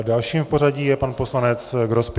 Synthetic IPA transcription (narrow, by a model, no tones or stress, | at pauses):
dalʃiːmfpoɾaɟiːjɛpanposlanɛt͡sɡɾosp